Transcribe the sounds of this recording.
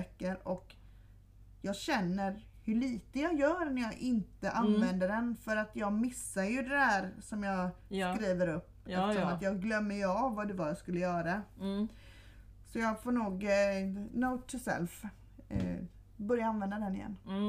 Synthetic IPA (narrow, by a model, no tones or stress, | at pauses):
ɛkːəɾɔk | jɑːɡɕɛnːəɾhɵɭiːt̪əjɑːjœːɾnæjɑːʔɪnt̪əʔanvɛnd̪əɖɛnfœɾat̪jɑːɡmɪsːajɵd̪ɛdæːɾsɔmjɑːskɾiːvəɾɵp̪ːəʂɔmat̪jɑːɡɡlœmːəjvvːad̪ʉvɑːjaskɵlːəjœːɾa | sɔjɑːɡfoːɳuːɡ | noʊt̪ʰːɪsɛ̰lf | bœɾjaanvɛnd̪ad̪ɛnɪjɛ̰nː